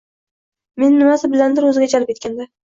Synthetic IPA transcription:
me̞nːɪmasɪbɪland̪ɪɾɵzɪɡʲad͡ʒalɪp̚ʲe̞t̪̚kʲand̪a

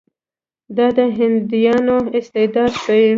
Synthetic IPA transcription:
d̪ɑd̪əɦɪnd̪ujɑnoɪst̪ɪd̪ɑd̪kə

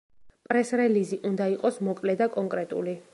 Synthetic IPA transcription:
pʼɾɛsɾɛliziʔund̪aiqʼɔsmɔkʼlɛd̪akʼɔŋkʼɾɛt̪ʼṵli

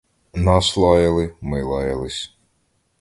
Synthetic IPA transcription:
nɑslˠɑjɐlˠɪmɪlˠɑjɐlˠɪsʲ

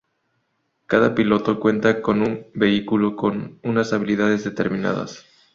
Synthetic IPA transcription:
kaðapilo̞t̪o̞kwe̞nt̪ako̞numbe̞ikuloko̞nunasaβ̞ilið̞að̞e̞zðe̞t̪e̞ɾmĩna̰ða̰s

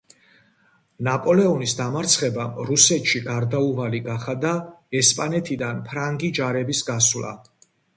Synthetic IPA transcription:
napʼɔlɛɔnisd̪amaɾt̪sʰχɛbamɾusɛt̪ʰʃiɡaɾd̪auʁaliɡaχad̪aɛspʼanɛt̪ʰid̪anpʰɾaŋɡid͡ʒaɾɛbisɡaswla̰

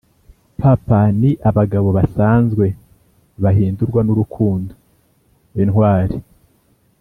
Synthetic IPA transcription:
papaniʔaβaɡaβo̞βasaːnzɡwe̞ | βaɦiːnduɾɡwanuɾukʰuːndo | inhwaːɾi

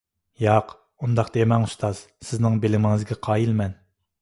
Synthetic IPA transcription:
jɑq | und̪ɑqd̪emɛŋust̪ʰɑz̥ | sɪznɪŋbelɪmɪŋɨzɡʲɛqʰɑːjilmɛn

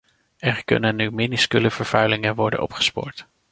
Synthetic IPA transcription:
ɛɹkɵ̰nənːyminiskyləvəɹv̥œɥlɪŋənʋɔɹdə̰nʔɔ̰pχə̥spʊ̰ːɹt

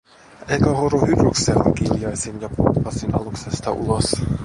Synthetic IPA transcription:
ejkæɦoɾuhyɾykseo̰ŋkiljɑjsinjɑput̪ːɑsinɑ̰luksest̪ɑʔṵlos

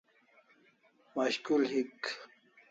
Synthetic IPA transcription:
maɕkulhik

